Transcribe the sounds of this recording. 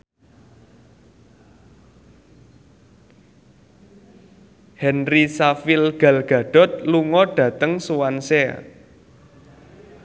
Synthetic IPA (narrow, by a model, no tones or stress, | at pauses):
hɛnrisafɪlɡ̥a̤lɡ̥a̤ɖ̥ɔ̤t̪̚luŋɔɖ̥ä̤t̪əŋsuwansɛ